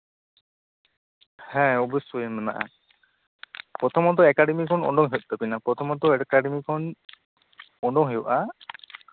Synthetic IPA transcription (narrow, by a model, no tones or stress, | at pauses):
hɛ̃obesujemana̰ʔa̰ | pɾɔt̪ʰɔmɔd̪ɔekaɖemikʰɔnɔ̰ɳɖɔŋɦewt̪t̪ɔpinapɾɔt̪ʰɔmɔd̪ɔekaɖemikʰɔn | ɔɳɖɔŋɦewʔa